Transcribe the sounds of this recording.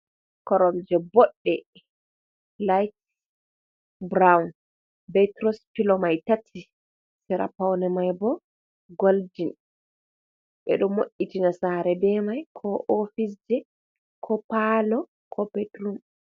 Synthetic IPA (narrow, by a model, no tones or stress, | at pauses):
kɔɾɔmd͡ʒɛbɔɗːɛ | lajt | bɾawn | bɛtɾɔspilɔmajtatʰːi | sɛɾa̰pawnɛmajbɔ | ɡoldin | ɓɛ̰ɗɔmoʔːitinasaːɾɛbɛmajkʰɔʔofis̬d͡ʒɛ | kʰɔpalɔ | kʰɔbɛtɾum